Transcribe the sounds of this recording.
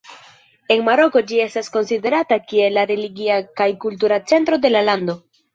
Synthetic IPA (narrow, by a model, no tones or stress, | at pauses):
e̞nmaɾo̞ko̞d͡ʒie̞stasko̞nside̞ɾatakie̞laɾe̞liɡiakajkult̬uɾat͡se̞ntɾo̞de̞lalando̞